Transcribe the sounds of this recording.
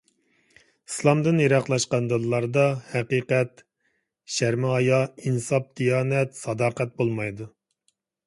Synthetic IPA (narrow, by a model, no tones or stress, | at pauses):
i̥slˠɑmd̪ɨnjeɾɑqlˠɑʃqɑnd̪ɨlˠːɑɾd̪ɑhɛqiːqɛt̪ | ʃæɾmɪɦɑjɑinsɑp̚d̪̥ijɑːnɛt̪sɑd̪ɑːqɛt̪̚bolˠmɑjd̪u